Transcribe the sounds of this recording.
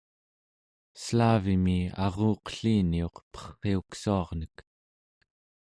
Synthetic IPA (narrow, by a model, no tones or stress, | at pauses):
slaːvimiɑ̰ʁoːqə̥ɬiːnio̞qpʌ̥χːe̞uksuɑʁnək